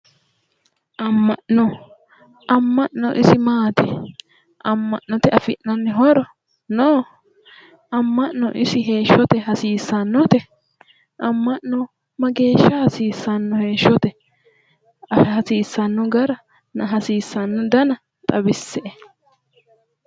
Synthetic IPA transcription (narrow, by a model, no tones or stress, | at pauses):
ʔɐmːɐʔnɔ | ʔɐmːɐʔnɔ̰ʔɪsɪmaːt̪ɛ | ʔɐmːɐʔnɔt̪ɛɐfɪʔnɐnːɛɦɔɾɔ | noː | ɐmːɐʔnɔ̰ʔɪsɪɦe̞ːʃːɔt̪ɛɦɐsiːsɐnːɔt̪ɛ | ʔɐmːɐʔnɔ | mɐɡe̞ːʃːɐhɐsiːsːɐnːɔhe̞ːʃːɔt̪ɛ | ɐhɐsiːsːɐnːɔɡɐɾɐ | nɐɦɐsiːsːɐnːɔd̪ɐnɐ | t̪ʼɐbɪsːɛʔɛ